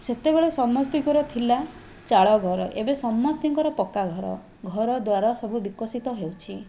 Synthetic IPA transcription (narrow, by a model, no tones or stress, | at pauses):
set̪ebeɭesɔmːɔst̪iŋkɔɾɔt̪ʰila | t͡ʃaɭɔɡʱɔɾɔʔebesɔmːɔst̪iŋkɔɾɔpɔkaɡʱɔɾɔ̰ | ɡʱɔɾɔd̪waɾɔsɔbʱubikɔsit̪ɔɦewt͡ʃʰi